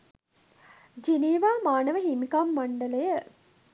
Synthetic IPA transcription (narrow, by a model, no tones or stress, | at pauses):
d͡ʒiniːʋaːmaːnəʋəɦimikamːaɳɖələjə